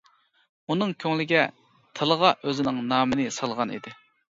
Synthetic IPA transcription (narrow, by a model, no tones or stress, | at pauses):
unɨŋkʲʰøŋlɪɡʲɛ | t̪ʰəlˠəʁɑʔøzɪnɪŋnɑːmɨnɪsɑlˠʁɑnḭd̪ɪ